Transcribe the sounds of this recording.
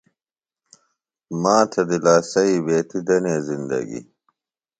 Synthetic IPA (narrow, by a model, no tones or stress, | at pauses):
maːt̪ʰɐd̪ilaːsɐibeːt̪id̪ɐneːzind̪ɐ̰ɡḭ